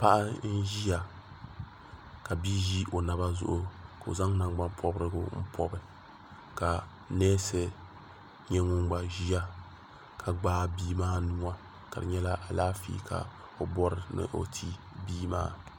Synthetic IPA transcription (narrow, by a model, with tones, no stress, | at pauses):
pa˦ʔa˦n̩˦ʒi˦ja˨ | ka˨biː˦ʒi˦ʔo˨na˨ba˦zʊ̰˨ʔʊ˦ka˨o̰˨za˦ŋna˨ɡ͡ba˦mpʰɔ˦bɾɨ˦ɡʊ̰˦m̩˦pʰɔ˦bɨ˦ | ka˨ | nɛː˦sɨ˨ | ɲɛ˦ŋʊ˦ŋɡ͡ba˨ʒi˦a˦ | kʰa˨ɡ͡baː˦biː˦maː˦nu˦ŋa˦ | ka̰˨dɨ̰˨ɲɛ˦la˦ʔa˨laː˦fḭː˦kʰa̰˨ | o˦bɔ˦ɾɨ˨nɨ̰˦ʔo̰˨tʰi˦ | biː˦ma̰ː˦